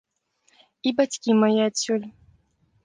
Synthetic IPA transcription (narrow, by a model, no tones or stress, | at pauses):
ibat͡sʲkʲimajiat̪ʲsʲulʲ